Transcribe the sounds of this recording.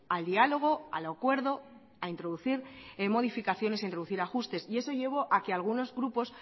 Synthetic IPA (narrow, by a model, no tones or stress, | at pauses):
ald̪ialo̞ɣ̞o̞a̰lakwe̞ɾðo̞ | aint̪ɾo̞ðuθiɾmo̞ð̞ifikaθjo̞nes̬aint̪ɾo̞ðuθiɾaxust̪e̞sie̞so̞ʝe̞β̞o̞ʔakealɣ̞uno̞zɣɾupo̞s